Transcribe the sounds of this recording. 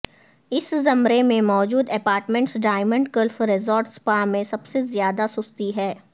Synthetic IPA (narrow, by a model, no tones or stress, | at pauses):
ɪszɐmɾemẽmɔːd͡ʒuːd̪ɛpaːɾʈmẽɳʈsɖaːɪmə̃ɳɖkəlfɾezɔːɾʈspamẽsɐbsezjaːd̪asʊst̪iɦɛː